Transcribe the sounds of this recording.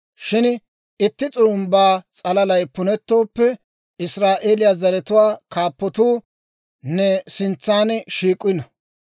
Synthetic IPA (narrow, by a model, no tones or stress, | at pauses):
ʃɪn | ɪt̪ːɪt͡sʼʊɾʊmbaːt͡sʼɐlɐlɐjpʊnɛt̪ːo̞ːpːɛ | ɪsɾaːʔeːlɪjaːzɐɾɛt̪ʊwaːkaːpːɔt̪uː | nɛsɪnt͡sːaːnʃiːkʼːɪnɐ